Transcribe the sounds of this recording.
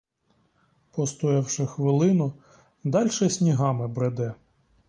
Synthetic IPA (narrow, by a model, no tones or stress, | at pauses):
pɔst̪ɔɛwʃɪxʋɪlˠɪnɔ | d̪ɑlʲʃɛsʲnʲiɦɑmɪbɾed̪ɛ